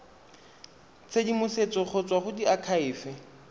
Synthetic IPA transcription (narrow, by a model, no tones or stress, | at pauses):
t͡sʰedimʊset͡sɔk͡xʰɔt͡swaχʊdiakʰaɪːfɪ